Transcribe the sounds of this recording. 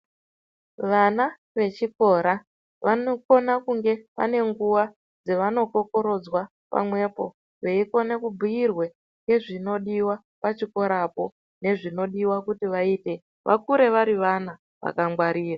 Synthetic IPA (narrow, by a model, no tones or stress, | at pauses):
ʋana | ʋe̞t͡ʃiko̞ːɾa | ʋanoko̞nakuŋɡe̞ʋa̰ne̞ŋɡuwa | d͡zeʋano̞ko̞ko̞ɾo̞d͡zwa | pa̰mwe̞po̞ | ʋe̞iko̞nekubʱuirwe̞ | ŋɡe̞ʐino̞ɗiwa | pat͡ʃiko̞ɾapo̞ | ne̞ʐino̞ɗiwakutiʋaiːte̞ | ʋʔa̰kuɾe̞ʋaɾiʋana | ʋa̰kaŋɡwaɾiːra